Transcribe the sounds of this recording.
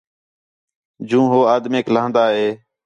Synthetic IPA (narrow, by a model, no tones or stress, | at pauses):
d͡ʒũːɦoːaːd̪meːklãːnd̪aːɦeː